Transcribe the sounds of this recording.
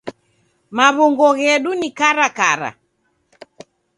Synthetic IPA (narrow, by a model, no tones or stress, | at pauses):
maβɔŋɡɔɣɛɗunikaɾakaɾa̰